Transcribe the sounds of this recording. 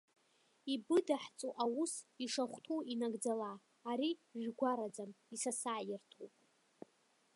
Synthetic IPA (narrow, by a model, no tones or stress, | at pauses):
ibɨdaħt͡sʼuʔawusiʂaχʷtʰuinaɡd͡zalaː | ɾiʒᶣɡʷaɾad͡zam | isasaʕjɪrtʰowpʼ